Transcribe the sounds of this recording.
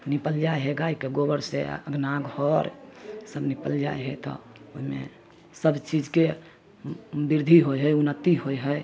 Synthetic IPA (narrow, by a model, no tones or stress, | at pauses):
nipəld͡ʒaeɦɛɡaikeɡobəɾsḛəɡʱnaɡhɔɾsəbnipəld͡ʒa̰eɦɛt̪ɔ̰ | oɦimḛ̃ | səbt͡ʃid͡ʒke | biɾd̪ʱiɦojɦəjunət̪iɦojɦəj